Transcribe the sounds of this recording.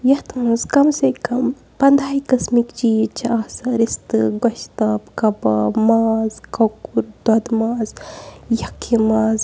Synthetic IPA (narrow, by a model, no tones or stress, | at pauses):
jɐt̪ʰmɐzkɐmsɐkɐm | pɐnd̪ʱaːikɐsmikd͡ʒiːt͡ʃʰɐaːsɐɾist̪ɨɡɐʃt̪ɐbkɐbɐ̰maːzkɐkuɾd̪ɐd̪maːzjɐkʰimaːz